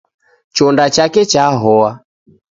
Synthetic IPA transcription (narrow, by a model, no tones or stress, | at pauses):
t͡ʃɔndat͡ʃakɛt͡ʃaːɦɔa